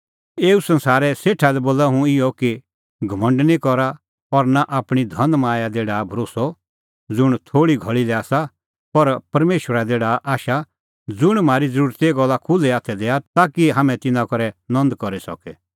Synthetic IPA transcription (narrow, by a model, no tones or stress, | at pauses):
eːusɐ̃nsaːɾɛseːʈʰalɛboːlaɦũɪjɔki | ɡʱɐmə̃ɳɖnikɔɾa | ɔɾnaʔaːpɽ̃id̪ʱɐ̃nd̪maːjad̪eːɽabʱɐɾoːsɔ | d͡zʊɽ̃t̪ʰoːɽiɡʱɔɭilɛaːsa | pɐɾpɐɾmeːʃwəɾad̪eːɽaʔaːʃa | d͡zʊɽ̃maːɾid͡zəɾuːɾt̪iɡɔlːakʰʊlɛaːt̪ʰɛd̪ɛːat̪aːkiɦaːmɛ̃t̪ɪnãkɔɾɛnɔ̃nd̪kɔɾisɔ̰kɛ